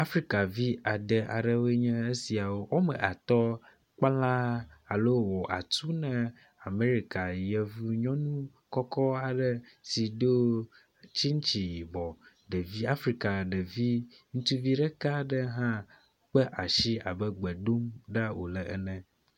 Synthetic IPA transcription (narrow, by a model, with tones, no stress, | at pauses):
a˦fɾi˦ka˨vi˦a˨d̪ɛ˨ʔa˨ɖɛ˨we˦ɲɛ̃˦e˦si˨a˨wo˦wo˦mɛ̰̃˨ʔa˨t̪ɔ˦ | k͡pa˦lã˦a˨lo˦˨wɔ˨ʔa̰˨t̪u˦nɛ̃˦ | a˨me˦ɾi˨ka˨jɛ˨vu˦ɲɔ̃˦nũ˦ | kɔ˦kɔ˦a˨ɖɛ˦si˨d̪o˦ | t͡ɕi˦ŋ˦t͡ɕi˨ji˨bɔ˨ | ɖɛ˨vi˦a˦fɾi˦ka˨ɖɛ˨vi˦ | ŋũ˦t̪u˦vi˦ɖɛ˦ka˦ɖə˦ɦã˦ | k͡pɛ˦ʔa˨ʃi˦a˨bɛ˦ɡ͡bɛ˨ɖo˦mɖa˦wo̰˨lɛ˨ʔɛ̰˦nɛ̃˨